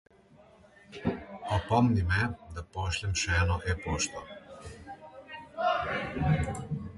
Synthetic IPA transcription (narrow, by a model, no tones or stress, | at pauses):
ɔpɔmnimɛd̪apɔːʃlʲɛmʃɛɛːnɔʔɛpoːʃt̪ɔ